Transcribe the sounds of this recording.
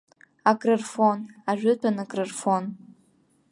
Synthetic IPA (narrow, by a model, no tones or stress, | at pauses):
akʼrɨrfonaʒᶣʏtʷʰanɨkʼrɨrfon